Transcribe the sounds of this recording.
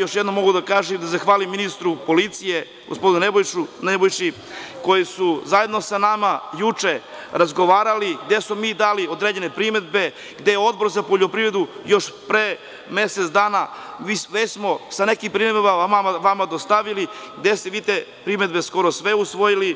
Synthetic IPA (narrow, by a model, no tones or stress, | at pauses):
jo̞ʃjed̪nomːo̞ɡud̪akaːʒimd̪azaxʋaːlimːinist̪ɾupo̞lit̪sije̞ | ɡospo̞d̪inunebojunebojt͡ʃi | ko̞jisuzaje̞d̪no̞sanamajut͡ʂe̞ | ɾazɡoʋaːɾaliɡd̪esumiːd̪aːliod̪ɾed͡ʑe̞ne̞pɾime̞d̪̚be̞ | ɡd̪e̞jeo̞d̪̚bo̞ɾzapo̞ʎo̞pɾivɾe̞d̪ujoʃpɾeː | me̞set̪sd̪aːnaʋisʋesmo̞sane̞kimpɾimed̪bbaamaʋamad̪ost̪aʋiliɡd̪est̪eʋiːt̪e | pɾimed̪be̞sko̞ɾosʋe̞usʋojili